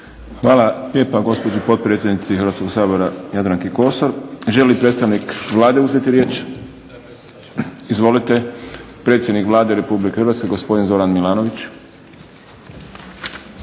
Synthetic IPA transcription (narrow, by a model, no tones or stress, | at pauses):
xʋaːlalʲje̞ːpaɡo̞spo̞d͡ʒipo̞t̪̚pɾet̪sjed̪nit̪sixɾʋaːt̪ko̞ɡsaːbo̞ɾajad̪ɾaŋkiko̞soɾʒe̞lipɾet̪st̪aʋnikʋlˠaːd̪euze̞t̪iɾje̞ːt͡ʃ | izʋo̞lit̪e̞ | pɾe̞t̪sjed̪nikʋlˠaːd̪eɾe̞publikeɾʋaːt̪skeɡospo̞d̪inzo̞ɾanmilˠaːnoʋit͡ʃ